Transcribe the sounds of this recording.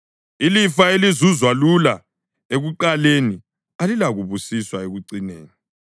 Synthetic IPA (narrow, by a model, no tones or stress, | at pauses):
ilifaelizuzwalula | eɣuǃaleni | alilaɣuβusiswaeɣuǀinḛːni